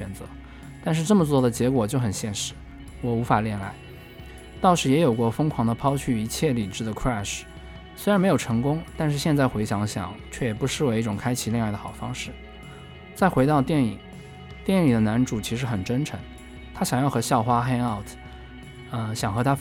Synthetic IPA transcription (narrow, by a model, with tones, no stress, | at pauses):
ɛ˨˩nt͡sɤ̰˧˥ | t̪a˥˧nʂɻ̩˥˧ʈ͡ʂɤ˥˩mə˩t͡swɔ˥˩d̪ə˩t͡ɕjɛ˧˥kwɔ˨˩t͡ɕjo˥˩ʊxə˨˩nɕjɛ˥˩nʂɻ̩˥˩ | wɔ˨˩u˧˥fa˨˩ljɛ˥˩nla̰˧˥ɪ | t̪ɑ˥˩ʊʂɻ̩˧˥jɛ˧˥jo˨˩ʊkwɔ˥˧fɤ˥ŋkʰwɑ˧˥ŋd̪ə˧pʰɑ˥ʊt͡ɕʰy˥˩i˧˥t͡ɕʰjɛ˥˩li˨˩ʈ͡ʂɻ̩˥˩d̪ə˩kʰɹa˥˩ʂ | swe˥ɻnm˧˥ɪjo˨˩ʊʈ͡ʂʰɤ˧˥ŋkʊ˥ŋt̪a˥˧nʂ̬ɻ̩˥˧ɕjɛ˥˧nt͡sa˥˩ɪxwe˧˥ɪɕjɑ˧˥ŋɕjɑ̰˨˩˦ŋt͡ɕʰɥɛ˥˩jɛ˨˩pu˧˥ʂɻ̩˥˩we˧˥ɪi˥˩ʈ͡ʂʊ˨˩ŋkʰa˥ɪt͡ɕʰi˧˥lɛ˥˧ŋ˥˩d̪ə˩xɑ˨˩ʊfɑ˥ŋʂɻ̩˥˩ | t͡sa˥˩ɪxwe˧˥ɪt̪ɑ˥˧ʊt̪jɛ˥˩nḭ˨˩ŋ | t̪jɛ˥˩ni˨˩d̪ə˦na˧˥nʈ͡ʂu˨˩t͡ɕʰi˧˥ʂɻ̩˧˥xə˨˩nʈ͡ʂə˥nʈ͡ʂʰɤ˧˥ŋ | t̪ʰa˥ɕjɑ˨˩ŋjɑ˥˩ʊxɤ˧˥ɕjɑ˥˩ʊxwa˥xe˥ɪɑ˥˩ʊt̪ʰ | ə˧ɕjɑ˨˩ŋxɤ˧˥t̪ʰa˥